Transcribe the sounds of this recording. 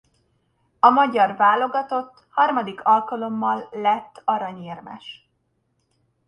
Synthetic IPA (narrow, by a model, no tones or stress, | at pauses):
ɒmɒɟɒrvaːlo̞ɡɒt̪o̞t̪ːhɒrmɒd̪ikʰɒlkɒlo̞mːɒlːɛt̪ːɒɾɒɲeːrmɛ̰ʃ